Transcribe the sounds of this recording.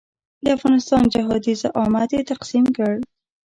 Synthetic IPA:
d̪əafɣɑnɪst̪ɑnd͡ʒaɦɑd̪izaʔɑmad̪jet̪aqsimkəɽ

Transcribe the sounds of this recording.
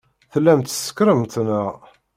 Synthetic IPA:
θəlːæmt̪sə̥kɾəmt̪nə

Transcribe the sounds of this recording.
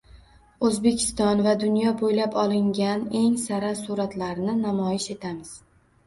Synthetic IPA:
ozbe̞kʲʰɪ̥st̪ɒnvad̪ʊnjɒbojlapʰɒlˠɪŋɡʲane̞ŋsaɾasuɾat̪laɾnɪnamɒjɪʃe̞t̪ʰamɪz̥

